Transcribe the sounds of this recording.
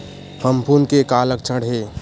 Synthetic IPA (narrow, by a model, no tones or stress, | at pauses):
pʰəmpʰunkekaːlək̚t͡ʃʰəɽɦeː